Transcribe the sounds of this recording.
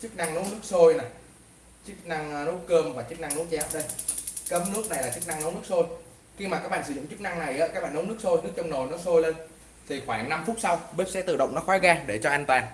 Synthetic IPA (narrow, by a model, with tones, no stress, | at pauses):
t͡ɕɨ˦˥k̚na˧ŋno˨˦nɨ˦˥ək̚so˧jna˨˩j | t͡ɕɨ˦˥k̚na˧ŋno˦˥t̚kəː˧mvaː˨˩t͡ɕɨ˦˥k̚na˧ŋno˨˦˥tt͡ɕɛ˨˦ʔəː˨˩ɗə˧jkə˨˦mno˦˥t̚na˨˩jlaː˨˩t͡ɕɨ˦˥k̚na˧ŋno˨˦nɨ˦˥ək̚so˧j | xi˧maː˨˩ka˦˥k̚ɓa̰ː˧˨nsɨ˧˩z̰ŋ͡mt͡ɕɨ˦˥k̚na˧ŋna˨˩jʔaː˨˦kaː˦k̚ɓa̰ː˧˨no˨˦nɨ˦˥ək̚so˧jnɨ˦˥ək̚t͡ɕɔ˧wŋ͡mno˨˩nɔ˨˦so˧jle˧n | t̪ʰi˨˩xwaː˧˩ŋna˧mfu˦˥t̚sa˧wɓe˦˥p̚sɛ˨˦˥t̪ɨ̰˧˨ɗə̰˧˨wŋ͡mnɔ˨˦˥xwaː˨˦ɣaː˧ɗe˧˩t͡ɕɔ˧ʔaː˧nt̪waː˨˩n